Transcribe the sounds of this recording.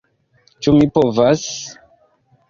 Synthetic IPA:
t͡ʃumipovas

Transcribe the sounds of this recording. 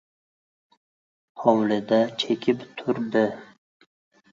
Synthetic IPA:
hɒwlɪd̪at͡ʃʰekʲʰɪpt̪ʰʊɾd̪ɪ

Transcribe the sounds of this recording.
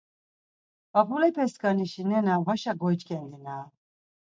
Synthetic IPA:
papʰulɛpʰɛskaniʃinɛnavaʃaɡɔjt͡ʃkʼɛnd̪inaː

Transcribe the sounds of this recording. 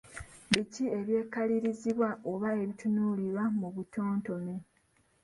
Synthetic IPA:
βicie̞βje̞ːkaliɾiziβwaʔo̞βae̞βitunuliɾwamuβuto̞ːnto̞me

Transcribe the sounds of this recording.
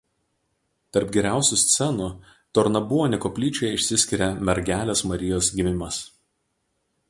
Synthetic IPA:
t̪ɐɾpɡʲɛɾʲæˑʊsʲʊsʲt̪sʲɛnʊ | t̪ɔɾnɐbuɔnʲɪkoːpʲlʲiːt͡ʃʲojɛɪʃʲsʲɪsʲkʲɪɾʲɛmʲɛɾʲɡʲæːlʲesmɐɾʲɪjoːsɡʲɪmʲɪmɐs

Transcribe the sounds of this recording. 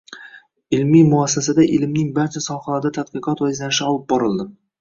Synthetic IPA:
ɪlmimʊasːasad̪aʔɪlmnɪŋbaɾt͡ʃʰasɒχalaɾd̪at̪ʰad̪qɨqɒt̪wazlanɪʃɪɒlˠɪp̚bɒɾɨlˠd̪ɪ

